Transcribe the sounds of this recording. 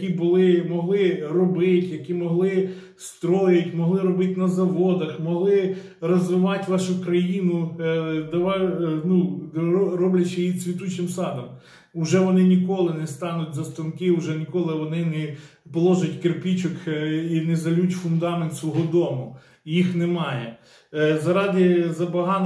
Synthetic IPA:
kʲibʊlˠɪmɔɦlˠɪrɔbɪtʲjɐkʲimɔɦlˠɪ | st̪ɾɔjɪtʲmɔɦlˠɪɾɔbɪt̪ɪnɐzɐʋɔd̪ɐxmɔɦlˠɪ | rɔzʋɪʋɑtʲʋɑʃʊkɾɐjinʊd̪ɐʋɑnu | ɾɔblʲɐt͡ʃɪjisʲʋʲit̪ut͡ʃnɪmsɑd̪ɐm | ʊʒɛʋɔnɪnʲikɔlˠɪnɛst̪ɑnʊtʲzɐst̪ɔnkɪʊʒɛnʲikɔlˠɪʋɔnɪnɛ | pɔlˠɔʒʊtʲkerpʲit͡ʃɔkinɛzɐlʲutʲfʊnd̪ɑment̪sʋɔɦɔd̪ɔmʊ | jixnemɑjɛ | zɐɾɑd̪ɪzɐbɐɦɑn

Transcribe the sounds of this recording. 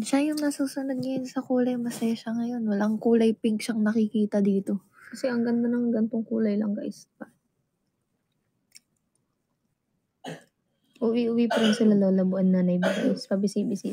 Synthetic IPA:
ʃajʊŋnɐsuːsʊnod̪̚ɲɐjonsɐkuːlɐjmɐsɐjaʃɐŋɐjo̞nwɐlaŋkuːlɐjpɪŋk̚ʃɐŋnɐkɪkiːt̪ɐd̪iːt̪o̞ | kɐsɛʔɐŋɡɐnt̪onɐŋɡɐnt̪oŋkuːlɐjlɐŋkɐ̰ʔɪspɐ | ʔʊwiʔʊwipɐɾɪnsɪlalolɐbʊʔɐnːanɐjbɐɡʔɪspɐbɪsibɪsḭ

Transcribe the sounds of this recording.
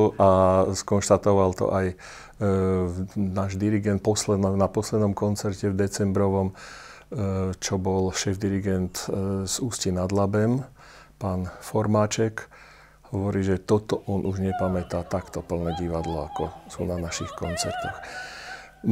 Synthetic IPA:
askɔnʃt̪at̪ɔʋalt̪ɔ̰ʔaj | naːʒd̪iɾiɡɛnt̪̚pɔslɛd̪nɔnapɔslɛd̪nɔmkɔnt͡sɛɾcɛvd̪ɛt͡sɛmbɾɔʋɔm | t͡ʃɔbɔlʃɛːvd̪iɾiɡɛnt̪z̥uːscinad̪labɛm | paːnfɔɾmaːt͡ʃɛk | hɔʋɔɾiːʒɛt̪ɔt̪ɔʔɔnʔuʒɲɛpamɛt̪aːt̪akt̪ɔpl̩nɛɟiʋad̪lɔakɔsuːnanaʃixkɔnt͡sɛɾt̪ɔx

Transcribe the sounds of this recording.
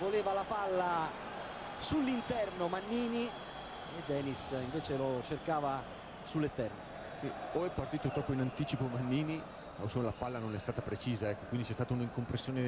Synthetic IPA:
voleːvalapalːa | sulːint̪ɛrnomanːiːni | ed̪ːɛːnisiɱveːt͡ʃelot͡ʃerkaːva | sulːest̪ɛrno | sioɛpːart̪iːt̪ot̪ɾɔpːoinant̪iːt͡ʃipomanːiːni | osolapalːanonɛst̪aːt̪apɾet͡ʃiːzaɛkːokwind̪it͡ʃɛst̪aːt̪auniŋkompɾesːjoːne

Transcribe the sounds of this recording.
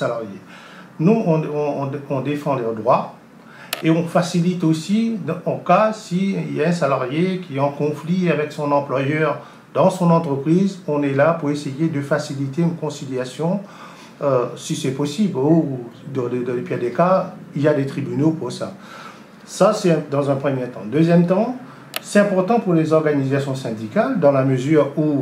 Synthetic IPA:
salaʁje | nuɔ̃ɔ̃ːɔ̃d̪efɑ̃lœʁd̪ʁwa | eɔ̃fasilit̪osid̪ɔ̃kasiiljaɛ̃salaʁjekʲiɛɑ̃kɔ̃fliavɛksɔ̃nɑ̃plwajœʁ | d̪ɑ̃sɔ̃nɑ̃t̪χəpχizɔ̃nɛlapuʁesejed̪əfasilit̪eynkɔ̃siljasjɔ̃ | øsisɛpɔsiblod̪d̪d̪lepiad̪ekailjad̪et̪χibynopuʁsa | sasɛ̃d̪ɑ̃zɛ̃pχəmjet̪ɑ̰̃d̪øzjɛmt̪ɑ̃ | sɛ̥t̪ɛ̃pɔʁt̪ɑ̃puʁlezɔʁɡanizasjɔ̃sɛ̃d̪ikald̪ɑ̃laməzyːʁu

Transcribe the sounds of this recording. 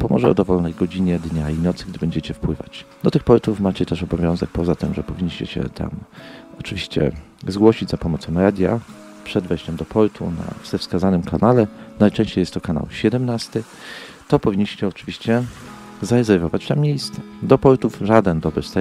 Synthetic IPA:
pɔmɔ̰ʐɛɔ̰d̪ɔvɔlnɛjɡɔd͡ʑiɲɛd̪ɲainɔt̪sɘɡd̪ɘbɛɲd͡ʑɛt͡ɕɛfpwɘva̰t͡ɕd̪ɔt̪ɘxpɔɾt̪ufmat͡ɕɛt̪ɛʂɔbɔvʲjɔ̃w̃zɛk̚pɔzat̪ɘmʐɛpɔvʲiɲːiɕt͡ɕɛ̰ɕɛ̰t̪ʰa̰mɔt͡ʂɘvʲiɕt͡ɕɛ̰ | zɡwɔɕid͡ʑʲzapɔmɔt̪sɔ̃w̃ɾad̪ʲja̰ | pʂɛd̪vɛjɕt͡ɕɛmd̪ɔpʰɔɾt̪ʰuna̰vz̥ɛfskazanɘmkʰanalɛnajt͡ʂɛ̃ɕt͡ɕejɛst̪ːɔkana̰wɕɛd̪ɛmnast̪ɘ | t̪ɔpɔvʲiɲːiɕt͡ɕɛɔt͡ʂɘvʲiɕt͡ɕɛ | zaɾɛzɛɾvɔvat͡ɕt̪amʲːjejst̪sɛd̪ɔpɔɾt̪ufʐad̪ɛnd̪ɔbɾɘfst̪a

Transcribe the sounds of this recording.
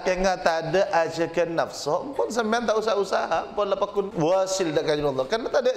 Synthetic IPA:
kəŋat̪adəʔad͡ʒəkənːafsɔʔpʊns̬əmbeant̪aʔusaɦausaɦampɔnlapakʊnwasildaʔkad͡ʒinɔlːɔkarnat̪adə

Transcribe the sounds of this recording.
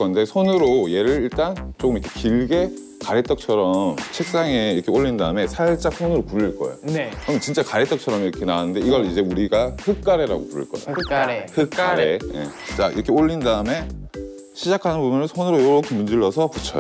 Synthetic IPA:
kʌnde̞sʰonɯɾoje̞ɾɯɾiɭt͈ant͡ɕ͈okɯmiʌkʰekiɭɡe̞ | kaɾet͈ʌk̚t͡ɕʰʌɾʌmt͡ɕʰek̚s͈aŋe̞iɾkʰe̞oʎːindaɯme̞sʰaɭt͡ɕ͈ak̚sʰonɯɾopuɾiɭk͈ʌ̰ḛo̰nɯɾʌmt͡ɕint͡ɕ͈akaɾet͈ʌk̚t͡ɕʰʌɾʌmiɾʌkʰe̞naanɯnde̞iɡʌɭid͡ʑe̞uɾiɡaɸɯk͈aɾe̞ɾa̰ɡopuɾṵɭk͈ʌa̰hɯkaɾeje̞̰t͡ɕint͡ɕ͈aʔḭɾʌkʰe̞oʎːindaɯme̞ | ɕʰid͡ʑakʰanɯnbumjɯnɯnsʰonɯɾojoɾokʰɯmund͡ʑiɭːʌsʰʌput͡ɕʰʌjo̰

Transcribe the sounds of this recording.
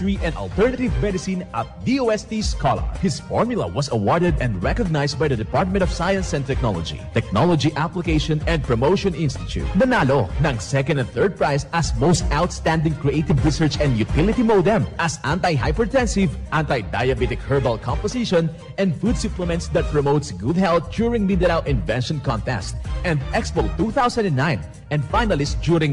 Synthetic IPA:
ɹiʔɛ̃nd̪ɐ̰lt̪ɛɹnɐt̪ɪvmɛd̪ɪsĩnɐt̪̚d̪iowɛst̪iskɔlɐ̰ɹhɪsfɔɹmjʊlɐ̰wɔsɐwɔɹd̪ɛd̪ɛ̃nd̪ɹɛkɔɡ̚najst̪̚bajd̪ɐd̪ɛpɑɹt̪̚mɛ̃nt̪ɔv̥sajɐ̃nsɛ̃n̚t̪ɛk̚nɔ̰lɔ̰d͡ʒḭt̪ɛk̚nɔlɔd͡ʒiʔaplɪkeɪʃɔ̃nɛ̃nd̪̚pɹɔmoʊʃɔ̃nɪ̃nst̪ɪt̪ṵt̪̚d̪ɐnalonɐ̃ŋsɛkɔ̃nd̪ɛ̃nθɜɹd̪̚pɹajsɐsmoʊst̪awt̪st̪æ̃nd̪ɪ̃ŋkɹiʔeɪt̪ɪvɹisəɹt͡ʃɛ̃nd̪jut̪ɪlɪt̪imowd̪ɛ̃mʔɐsʔãnt̪ajɦa̰jpɛɹt̪ɛ̃nsɪvʔãnt̪ajd̪ajɐbit̪ɪkhɛɹbɐlkʰɔ̃mpɔsɪʃɔ̃n | ʔɛ̃nd̪fud̪suplɛmɛ̃nt̪sd̪ɐt̪̚pɹɔmoʊt̪sɡud̪̚hɛlt̪̚d͡ʒuːɹɪ̃ŋmid̪ɛɾawɪ̃nvɛ̃nʃɔ̃nkɔ̃nt̪ɛ̰st̪̚ʔɛ̃nd̪ʔɛkspolt̪uθawsɐ̃nd̪ɛ̃nːãɪ̃n | ʔɛ̃nd̪fajnɐlɪst̪̚d͡ʒjuɾɪ̃ŋ

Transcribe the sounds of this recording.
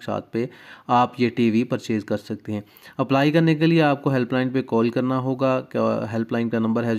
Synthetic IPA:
ksa̰ːt̪̚ʰpeaːpjeʈiːʋipɐɾt͡ʃeːd͡ʒkɐɾsɐk̚t̪eɦɛ̃ː | ɐplaːikɐɾnekelieaːp̚koɦɛlplaːɪɳpekɔːlkɐɾnaɦoːɡakːɦɛlplaːɪ̃nkanɐ̃mbəɾɦɛ

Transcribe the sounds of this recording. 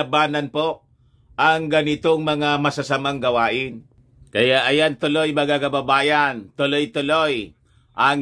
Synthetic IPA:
ɐbaːnɐnpoʔ | ʔɐŋɡɐnɪt̪oŋmɐŋamɐsasamaŋɡɐwaːʔɪn | kɐjaʔɐjant̪ʊlojmɐɡakɐbɐbaːjɐnt̪ʊlojt̪ʊloj | ʔɐŋ

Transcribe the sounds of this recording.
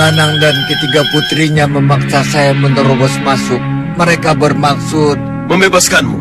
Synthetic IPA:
anaŋdankət̪iɡaput̪ɾiɲaməmak̚sasajamənt̪əɾobɔsmasʊk̚ | məɾekabərmaksʊt̪̚ | məmbebaskanmṵ

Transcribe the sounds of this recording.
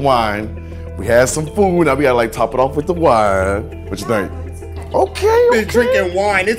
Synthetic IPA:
wãɪ̃n | wiɨd̥sʌ̃ɱfudⁿnawiɡɑɾəlaɪk̚tʰɑpəɾɔfwɨðəwaɪ | w̥ʌt͡ʃɨẽɪ̃k | ʔoʊkʰeɪdʰɹ̥ɪ̃ŋkɪ̃ŋwãɪ̃nɨt

